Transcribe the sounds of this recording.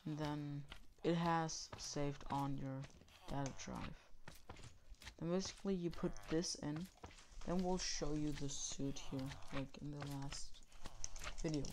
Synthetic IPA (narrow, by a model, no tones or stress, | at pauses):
nðɨ̃nɨt̚ɦəz̥seɪvdn̩jə˞ | d̥aɾɨdɹa̰ɪv̥ | ðɨ̃nbeɪsɨ̥klijɨpʰʊt̪̚ðɪsɪ̃n | ðɨ̃nwɪlˠʃoʊjɨðɨsʉt̚hiɹlaɪkɨ̃nðəlæst | vɪɾioʊ